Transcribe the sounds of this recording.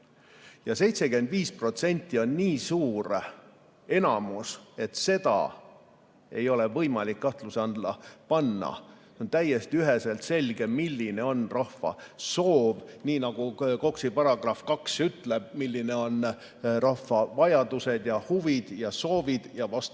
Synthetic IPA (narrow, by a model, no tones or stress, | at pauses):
jɑse̞jt̪se̞kyend̪̥viːspro̞t̪se̞nʲt̪ːio̞nːiːsuːɾ | e̞nɑmuse̞t̪se̞d̪̥ɑ̰ | e̞̰jo̞le̞vɤjmɑlikːɑht̪lusɑnd̪̥lɑpɑnːɑ̰seont̪æje̞st̪iyɦeselt̪se̞lʲɡ̥e̞milːine̞o̞nrɑfɑ̰so̞ːvniːnɑɡ̥uko̞ksipɑɾɑɡ̥rɑfkɑksyt̪leb̥̚milʲːine̞o̞n | rɑfːɑvɑjɑd̪̥use̞d̪̥jɑhuvid̪̥jɑso̞ːvid̪̥jɑvɑst̪